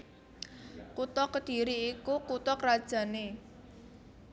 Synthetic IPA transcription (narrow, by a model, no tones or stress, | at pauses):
kut̪ɔkːəd̪̥i̤ɾiːkukut̪ɔkrad̥ʒ̥a̤ne